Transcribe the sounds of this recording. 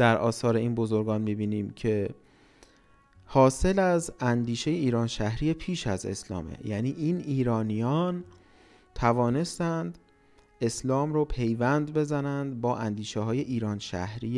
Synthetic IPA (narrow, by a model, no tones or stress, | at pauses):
d̪̥æɾʔɒːsɒːɾe̞iːnbozoɾɡɒːnmibiːniːmcʰe̞ | hɒːse̞læzænd̪iːʃe̞jeiːɾɒːnʃæhɾijepʰiːʃæze̞̰slɒ̰ːmḛjæniːʔiːniːɾɒːnijɒːn | t̪ʰævɒːne̞st̪ænd̪ | e̞slɒːmɾoːpʰe̞jvænd̪be̞zænænd̪bɒːʔænd̪iːʃeɦɒːje̞ʔiːɾɒːnʃæ̰hɾiː